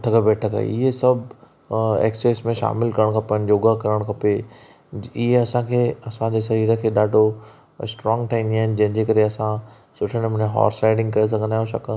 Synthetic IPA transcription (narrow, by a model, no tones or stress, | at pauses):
ʈʰəkəbeːʈʰəkʰa̰ɪ̰ɦesɐbʱ | ḛːkst͡ɕɔːsmẽʃa̰ːmɪlkɐɾəɽ̃kʰɐpənɪjoːɡakɐɾəɽ̃kʰɐpe | ɪɦeɐsãkʰeːɐsãd͡ʑeːʃɐɾiːɾəkʰeːɗaːɖʱo | sʈɾɔ̃ːŋɡt̪ʰɐɦĩːnd̪iaːɦɪnɪd͡ʑɐ̃ɦɪ̃nd͡ʑeːkɐɾeɐsã | sʊʈʰəɽ̃mʊ̃ɲẽɦɔ̰ːɾsaːɪɖɪ̃ŋɡkɐɾes̬ɐɡʱənd̪aːɦjũʃɐk